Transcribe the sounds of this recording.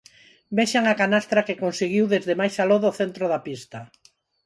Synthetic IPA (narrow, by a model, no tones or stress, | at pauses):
beʃaŋakanast̪ɾakekonsiɣiwðezðemajsaloðoθent̪ɾoðɐpist̪ɐ